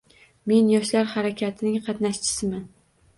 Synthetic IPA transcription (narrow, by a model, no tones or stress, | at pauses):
me̞njɒʃlaɾhaɾakʲʰat̪ʰɪnɪŋqʰɑt̪naʃt͡ʃʰɪ̥sɪman